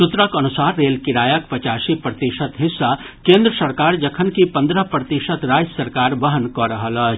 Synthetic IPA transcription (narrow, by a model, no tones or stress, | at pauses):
sʊt̪ɾakɐnʊsaːɾːeːlkɪɾaːjək̚pɐt͡ʃaːʃipɾət̪iʃət̪ɦɪsːa | kẽːnd̪ɾəsɐɾkaːɾd͡ʒɐkʰənkipɐ̃nd̪ɾəpɾət̪iʃət̪ɾaːd͡ʒsɐɾkaːɾʋɐɦənkɔɾɐɦəlɐː